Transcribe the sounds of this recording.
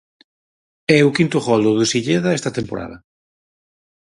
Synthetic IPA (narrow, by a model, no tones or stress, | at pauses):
ɛʊkint̪ʊɣɔld̪ʊðʊsiʎeðɐɛst̪ɐt̪empo̰ɾʔa̰ðɐ